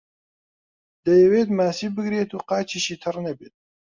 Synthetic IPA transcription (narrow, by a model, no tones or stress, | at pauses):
d̪ɐjɛweːt̪maːsiːbɨɡɾeːt̪uːqaːt͡ʃʰiʃiːt̪ʰɨrnɛbeːt̪̚